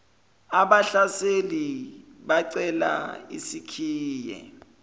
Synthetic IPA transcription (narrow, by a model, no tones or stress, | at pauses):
aɓaɬaseli | ɓaǀɛla̰ḭsikʰiːjɛ̰